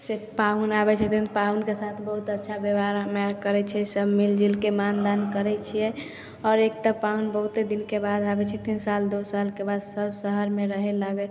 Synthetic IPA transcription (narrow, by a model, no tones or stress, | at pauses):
sepaunabɛt͡ʃʰɛt̪inpaunkesat̪ʰbəɦut̪ətːʃʰabeʋaɾmɛɾkəɾɛt͡ʃʰɛsəbmild͡ʒilkemand̪ankəɾɛt͡ʃʰijɛ | ɔːɾekt̪apaunbəɦut̪ed̪inkebad̪abɛt͡ʃʰɛt̪insald̪osalkebad̪səbsəɦəɾmeɾəɦɛlaɡɛ